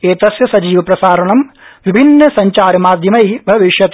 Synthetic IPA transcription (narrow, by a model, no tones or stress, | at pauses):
eːt̪ɐsjɐsɐd͡ʒiːʋɐpɾɐsaːɾɐɳɐmʋibʱinːɐsɐɲt͡ʃaːɾɐmaːd̪ʱjɐmɐjbʱɐʋiʃjɐt̪